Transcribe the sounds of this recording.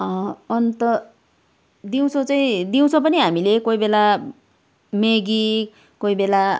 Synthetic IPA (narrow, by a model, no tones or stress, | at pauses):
ʌʌnt̪ʌ | d̪iw̃t͡sʰot͡saĩd̪iw̃t͡sʰʌ̃p̬ʌniɦamilekoibela | meɡi | koibela